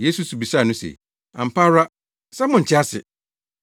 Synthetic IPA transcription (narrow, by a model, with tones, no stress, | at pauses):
je˦su˨su˨bi˨sa˦˨nʊ̃˦sḛ˨ | ã̰˨m̩˨pa˦ɾa˦ | sɛ˦mʊ̃˨ɲ̩˨t͡ɕʰɪ˦a˦sɪ̰˨